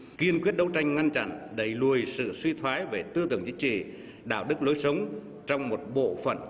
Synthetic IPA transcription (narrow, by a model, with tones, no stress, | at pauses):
ki˧ənkwi˦˥ət̚ɗə˧wt͡ɕa˧jŋ̟ŋa˧nt͡ɕa̰˧˨nɗə˧˩jlu˨˩əjsɨ̰˧˨swi˧t̪ʰwaː˨˦jve˧˩t̪ɨ˧ət̪ɨ˨˧˩əŋt͡ɕï˨˦ŋ̟t͡ɕḭ˧˨ | ɗa̰ː˧˩wɗɨ˦˥k̚lo˨˦jsə˨˦wŋ͡m | t͡ɕɔ˧wŋ͡mmo˨˩t̚ɓo̰˧˨fə̰˧˩˨n